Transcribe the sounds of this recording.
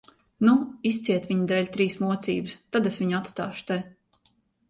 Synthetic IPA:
nuis̬t̪sʲiɛt̪vʲiɲud̪ɛːlʲt̪ɾiːsmuɔt̪siːbɨst̪ad̪esviɲat̪st̪aːʃu̥t̪e

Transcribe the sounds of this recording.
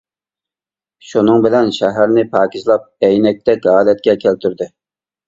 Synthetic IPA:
ʃunɨŋbɪlɛnʃɛɦæɾnɪpʰɑːkʲizlˠɑp̚ɛjnɛk̚ʲt̪ɛkʲɑːlɛt̪kʲɛkʲʰælt̪ʰyɾd̪ɪ

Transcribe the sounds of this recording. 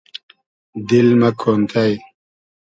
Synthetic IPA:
d̪ilmɐkʰoːnt̪ʰaj

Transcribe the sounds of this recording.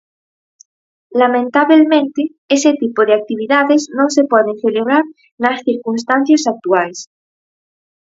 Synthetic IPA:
lamẽnt̪aβelmẽnt̪e | eset̪ipoðeak̚t̪iβ̞iðaðeznõŋsepweð̞eŋθeleβ̞ɾaɾ | nasθiɾkuns̬t̪anθjasak̚t̪uajs

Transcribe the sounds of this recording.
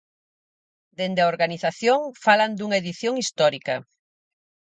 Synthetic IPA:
d̪end̪eaoɾɣaniθaθjoŋfaland̪uŋaeðiθjoŋist̪ɔɾikɐ

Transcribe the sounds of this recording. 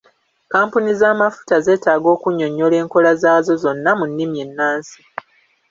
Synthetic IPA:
kaːmpunizaːmafu̥taze̞ːtaːɡo̞ːkuɲːo̞ɲːo̞le̞ːŋko̞lazaːzo̞zo̞nːamunːimie̞nːaːnsi̥

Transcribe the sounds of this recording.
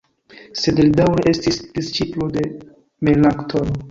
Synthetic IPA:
sedeldawɾeʔe̞stisd̥ist͡ʃiplode̞ | melnaktʰoɾo

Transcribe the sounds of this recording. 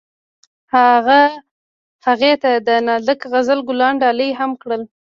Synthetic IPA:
haɣa | haɣet̪ad̪ənɑd̪əkɣazəlɡʊlɑɳɖɑləjɦamkɽəl

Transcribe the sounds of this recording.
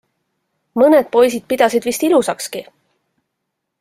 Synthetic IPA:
mɤned̪̥̚po̞jsid̪̥̚pid̪̥ɑsid̪̥vist̪ilusɑkski

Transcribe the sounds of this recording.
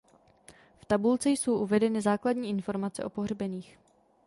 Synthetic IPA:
ft̪abult͡sɛjso̞wʔuvɛdɛnɪzaːkladɲiːʔɪnfo̞ɾmat͡sɛ̰ʔo̞po̞ɦrbɛniːx

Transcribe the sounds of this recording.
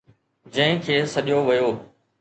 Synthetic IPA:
d͡ʑɐ̃ɦɪ̃kʰeːsɐɗɪjoʋɪjoː

